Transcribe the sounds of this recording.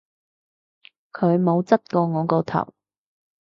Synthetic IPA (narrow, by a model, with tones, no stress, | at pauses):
kʰɵ˨˧ɥmo˨˧wt͡sɐ˥t̚kɔː˧ŋɔː˨˧kɔː˧t̪ʰɐ̰˨˩w